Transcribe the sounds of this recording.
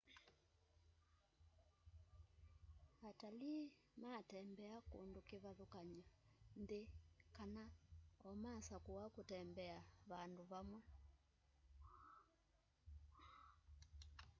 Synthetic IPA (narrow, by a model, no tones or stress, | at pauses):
atali | matɛmbɛakṵndukiβaðukaɲandekanaɔmasakuwakutɛmbɛaβanduβamwɛ